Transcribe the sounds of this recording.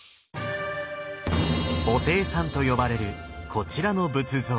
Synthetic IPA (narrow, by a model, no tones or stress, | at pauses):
o̞t̪e̞ːsãnt̪o̞jo̞baɾe̞ɾɯ̟kʰo̞t͡ɕiɾano̞bɯ̟t͡sɨzoː